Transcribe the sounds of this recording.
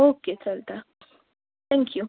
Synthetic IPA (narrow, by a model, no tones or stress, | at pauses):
oːket͡ʃɐlt̪a | t̪ʰɛ̃ŋkju